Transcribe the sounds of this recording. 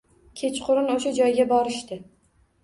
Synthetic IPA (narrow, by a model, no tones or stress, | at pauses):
kʲʰet͡ʃqʰʊɾɪnoʃad͡ʒɒjɡʲabɒɾɪʃt̪ɪ